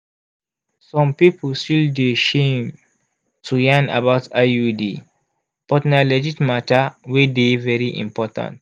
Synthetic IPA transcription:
sɔ̃mpipʰəlstildeʃẽm | tʰujãna̰baʊtʰaudi | pɔtnalɛd͡ʒitmatawedevɛɹiʔḭ̃mpɔtã̰nt

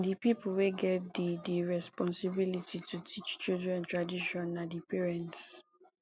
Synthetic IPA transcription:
ndipipl̩weɡɛt̚didiɹɛspɔ̃nsibilitʰitʰutʰit͡ʃt͡ʃildɹɛ̃ntɹadiʃɔ̃nːadipɛɹɛ̃nts

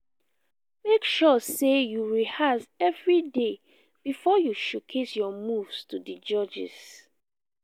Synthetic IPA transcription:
mekʃɔsejuɹihasɛvɹide | b̥ifɔjuʃukʰesjɔmuvstudid͡ʒɔd͡ʒɛ̰s

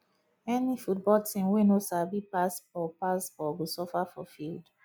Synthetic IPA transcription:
ɛnifut̚bɔltʰĩmwenosabipasbɔpasbɔɡosɔfafɔ̰fild

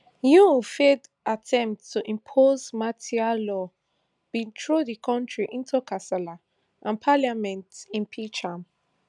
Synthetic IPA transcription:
jufed | atʰɛ̃mp̚ttːuʔĩmpʰozmatʰialɔ | b̥ĩtʰɹodikʰɔ̃ntɹiʔĩntʰukʰasala | ʔãnpʰaljamɛ̃ntĩnpʰit͡ʃãm

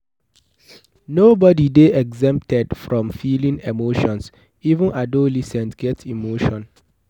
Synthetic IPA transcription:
nobɔdideʔɛɡzɛ̃mp̚tɛdfɹɔ̃mfilĩnemoʃɔ̃ns | ivũnʔadolisɛ̃ntɡ̥ɛtimoʃɔ̃n

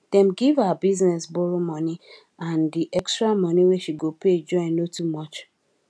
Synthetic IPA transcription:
d̥ɛ̃mɡivaabiznɛsbɔɹomɔni | ãndiʔɛkstɹamɔniweʃiɡoped͡ʒɔ̃ɪ̃nnotumɔt͡ʃ

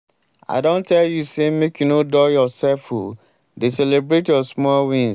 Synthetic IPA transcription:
a̰ɪdõntʰɛljusemekjunodɔjɔsɛlfhu | deselebɾetjɔsmɔlwĩn

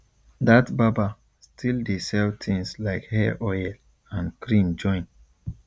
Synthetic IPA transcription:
datbaba | stʰildesɛltʰĩŋslaɪkhɛʔɔjɛl | ãnkɹĩmd͡ʒɔ̃ɪ̃n

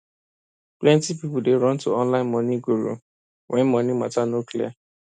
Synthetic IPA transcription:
plɛ̃ntipipudeɹɔ̃ntoɔ̃nlãɪ̃nmɔ̃niɡuɹṵ | wʔɛ̃nmɔ̃nimatanoklia̰

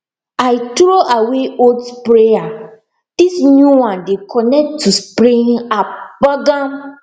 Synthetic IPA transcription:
aɪtɾoʔaweodpɾea | d̥isnjuwãndekʰɔnɛk̚tʰːuspɾĩŋabaɡãm

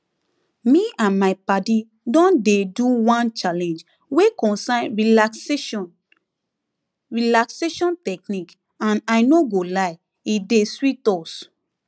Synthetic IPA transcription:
miãnmaɪpadi | dɔ̃ndeduwãnt͡ʃalɛ̃nd͡ʒ | wekɔ̃nsãɪ̃nɹia | ɹilakseʃɔ̃ntɛk̚nik | ãnaɪnoɡolaɪ | ideswitɔs

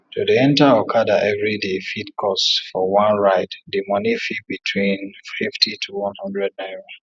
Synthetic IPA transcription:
tʰudiɛ̃ntaɔkʰadaʔɛvɹidefitkʰɔsfɔwãnɹaɪddemɔnifit̚bitʰwĩnfiftʰitʰuwɔ̃nhɔ̃ndɹɛd̚naɪɹo

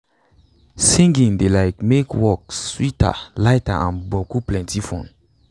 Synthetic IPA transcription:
sĩŋɡĩŋdelaɪkmekʰwɔkswitʰa̰laɪtaʔãnbɔkuplɛ̃ntifɔ̃n

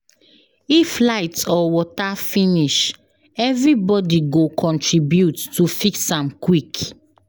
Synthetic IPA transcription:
iflaɪtsɔwɔtafĩniʃ | ɛvɹibɔdiɡokʰɔ̃ntɹibjutːufiksãmkwik

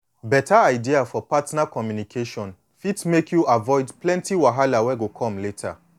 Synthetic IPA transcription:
bɛtʰaaɪdiafɔpatnakɔmjunikʰeʃɔ̃n | fitmekʰjuavɔɪdplɛ̃ntiwaɦalawɛɡokʰɔ̃mletʰa̰

